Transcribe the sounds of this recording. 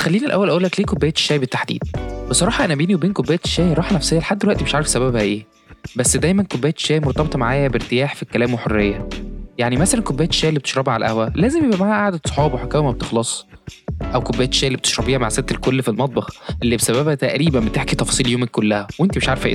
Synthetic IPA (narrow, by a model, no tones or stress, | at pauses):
t̪xælːiːnilʔæ̰wːælʔæʔuːlækliːkobːejæt̪ʃːæːjbet̪ːaħd̪ḭːd̪̥̚besˤɑɾˤɑːħɑʔænæbeːniwebeːnkobːejæt̪ʃːæːjɾˤɑːħnæfsejːæleħad̪ːelwæʔt̪imeʃʕaɾefsæβæbhæʔeː | bæsːd̪æjmænkobːejːæt̪ʃæːjmoɾt̪ˤɑbet̪ˤmaʕaːjæbeɾt̪ejaːħfikːælæːmweħorːejːæjaʕnimæsælænkobːejæt̪ʃːæːʔlːibet̪eʃɾˤɑbʕalæʔæ̰hwælæːzemjebʔæmaʕaæʔaʕd̪æt̪sˤo̥ħɑːbweħakːæwemæbet̪exlɑsˤ | ʔæwkobːæjæt̪ʃæːjlibet̪eʃɾˤɑbiːhæmaʕseb̚t̪elkolːfilmɑt̪̚ˤbɑxʔelːibesæbæbhæt̪æʔɾiːbænbet̪eħkit̪ɑfɑsˤiːljoːmekːolːæhæwʔent̪imeʃʕaɾefæʔḛ